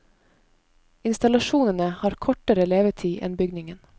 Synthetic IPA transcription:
ɪnst̪ɑlɑʃuːnənəhɑːɾkʰɔʈəɾəleːʋət̪ʰiːʔɛ̰nbʏɡnɪŋən

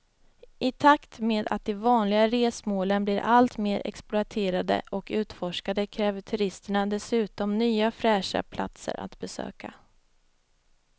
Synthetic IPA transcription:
ʔɪt̪ʰakt̪meːd̪a̰t̪̚d̪ɛvɑːnlɪɡaɾeːsmoːlənbliɾʔalt̪meːɾʔɛ̰ksplʊat̪ʰeːɾad̪ə̰ʔɔkʉ̟ːt̪fɔʂkad̪əkʰɾɛːvəʈʰɵɾɪst̪əɳad̪ɛsʉ̟ːt̪ɔmnyːafɾɛːʂa̰pʰla̰t̪sə̰ɾʔa̰t̪bɛsø̰ːka̰

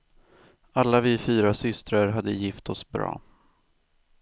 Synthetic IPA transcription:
alːavɪːfyːɾasʏst̪ɾaɾɦad̪ːəjɪft̪ʰɔsbɾɑ̰ː

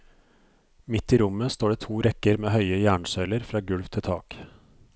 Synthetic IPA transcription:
mɪt̪ːiːɾʊməst̪oːɖeːt̪ʰuːɾɛkəɾmeːhœʏəjæːɳʃœʏləɾfɾɑːɡʉɽʋt̪ʰɪlt̪ʰɑːk

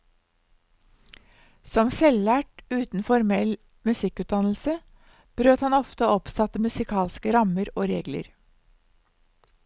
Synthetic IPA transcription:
sɔmsɛlːæːʈʉːt̪n̩fɔɾmɛl | mʉsɪkʉːt̪̚d̪ɑnl̩sə | b̥ɾøːt̪hɑnɔft̪əɔpsɑt̪əmʉsɪkʰɑːlskəɾɑməɾo̰ːɾeːɡlə̰ɾ

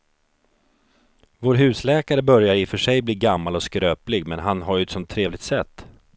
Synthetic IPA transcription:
voːɾɦʉ̟ːslɛːkaɾəbœɾjaɾɪfœʂɛjbliːɡamːalɔskɾøːplɪɡmɛnɦanɦaɾɛt̪sɔmt̪ʰːɾeːvlɪɡ̚t̪sɛt̪ː

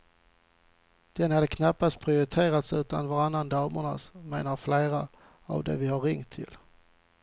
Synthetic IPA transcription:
d̪̥ɛnhad̪əkʰnapːast̪̚pʰɾɪʊɾɪt̪ʰeːɾat̪sʉ̟ːt̪a̰nvaɾanːand̪ɑːməɳa̰smeːnaɾfleːɾa | a̰vd̪ɛ̰vɪhaɾɪŋt̪ʰːɪ̰l

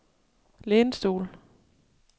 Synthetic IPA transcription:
leːnsd̥o̝̰ːl

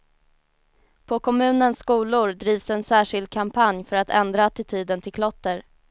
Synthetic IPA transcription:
pʰɔkʰɔmʉ̟ːnənsːkuːlʊɾɖ̪ɾiːvsɛnsæːʂɪld̪̚kʰampʰanjfœɾat̪ʰɛ̰nd̪ɾaat̪ɪt̪ʰyːd̪ənt̪ʰɪlkʰlɔt̪ːəɾ

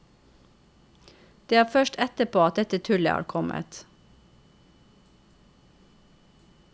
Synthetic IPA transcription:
d̪̥eːæːfœʃʈɛt̪əpʰoːɑt̪̚d̪ɛt̪ət̪ʰʉlə̰hæ̰ːɾkʰɔmʔə̰t̪

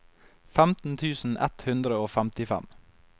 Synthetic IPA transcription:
fæmt̪n̩t̪ʰʉːsn̩ʔɛ̰t̪hʉnd̪ɾəoːfæmt̪ɪfæ̰m

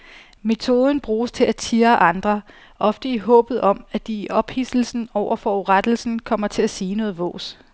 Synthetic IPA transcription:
me̝t͡sʰo̝ːð̞ˠən̩b̥ʁuːst͡sʰe̝læt͡sʰiːɐʔɑ̈nd̥ʁɐ | ʔɒ̽fd̥əiɦɔ̰̽ːb̥ð̞̩ˠɒ̽mæd̥iːʔɒ̽b̥hisl̩sn̩ɒʊ̰ɐfɒʁad̥l̩sn̩kʰɒ̽m̰ɐt͡sʰe̝æsiːnɔ̽ːð̩ˠʋɔ̰̽ːs

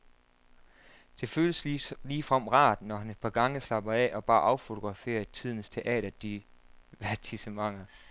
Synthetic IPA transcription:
d̥e̝føːləsliːfʁɑm̰ʁɑ̰̈ːd̥nɒɦæne̝d̥̚pʰɑ̈ɡ̥ɑ̈ŋəslɑ̈b̥ɐɛʔɒ̽b̥ɑ̈ːʔɑ̈ʊfo̝t͡sʰo̝ɡ̥ʁɑ̈fe̝̰ːɐt͡sʰið̞̰ˠn̩əst͡sʰe̝ʔɛ̰ːɾ̥ɐd̥i | ʋæɐt͡sʰisəmɑ̈ŋ̰ɐ

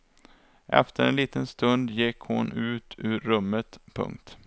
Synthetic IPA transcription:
ʔɛ̰ft̪ʰəɾɛnliːt̪ənst̪ɵnd̪jɪkhʊ̰nʉ̟ːt̪ʰʉ̟ːɾːɵmːət̪pʰɵ̰ŋk̚t̪

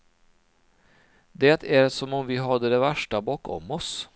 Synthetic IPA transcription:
d̪ɛt̪ʰæɾsɔmɔmvɪɦad̪ːəd̪ɛvæʂʈabɑːkɔ̰mːɔs

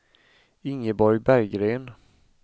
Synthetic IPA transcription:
ɪŋːəbɔɾjbæɾjɡɾeːn

